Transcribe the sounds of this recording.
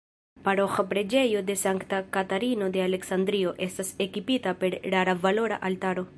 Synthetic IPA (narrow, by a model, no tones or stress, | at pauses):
paɾoxapɾe̞d͡ʒe̞jo̞d̪e̞saŋkt̪akataɾino̞d̪e̞ale̞ksand̪ɾio̞ʔe̞stasekipitape̞ɾlaɾavalo̞ɾa̰ʔaltaɾo̞